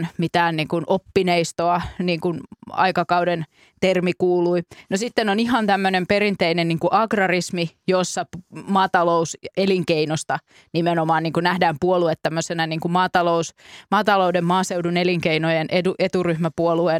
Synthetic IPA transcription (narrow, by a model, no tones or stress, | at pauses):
nmit̪æːnniːŋkunʔopːineist̪oɑniːŋkunɑ̰ikɑkɑuden | t̪ermikuːluinosit̪ːenoniɦɑnt̪æmːønemperinp̪einenniːŋkuʔɑɡrɑrismijosːɑmɑːt̪ɑlouseliŋkeinost̪ɑ | nimenomɑːniːŋkunæhdæːmpuoluet̪tæmːøsenæniːŋkumɑːt̪ɑlousmɑːt̪ɑloudemmɑːseuduneliŋkeinojenʔeduʔet̪uryhmæpuoluen